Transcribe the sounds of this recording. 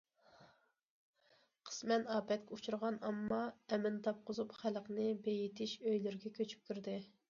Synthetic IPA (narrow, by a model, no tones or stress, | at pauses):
qʰə̥smɛnɑːpʰɛt̪̚kʲɛut͡ʃʰuɾʁɑnɑmːɑɛmɪnt̪ʰɑp̚qʊzupχælqnɨbejit̪ʰɪʃøjlɪɾɡʲɛkʲʰøt͡ʃʰy̥p̚kʲyɾd̪ɪ